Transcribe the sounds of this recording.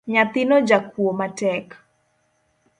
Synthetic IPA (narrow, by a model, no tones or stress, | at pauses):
ɲat̪ɪnod͡ʒakuomatɛk